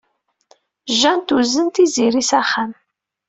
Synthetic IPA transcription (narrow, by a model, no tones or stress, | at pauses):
ʒːænt̪uzənt̪iziɾisæχːam